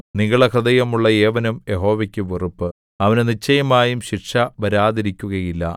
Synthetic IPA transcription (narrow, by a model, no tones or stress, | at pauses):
niŋːɐɭekrɐd̪ɐjɐmuɭːɐeːʋɐnumje̞ɦo̞ːʋɐkʲːuʋirupːɨ | ɐʋɐnenit͡ɕːɐjɐmaːjumɕiʈʂɐʋɐɾaːðiɾikʲːuɣɐjilːɐ̰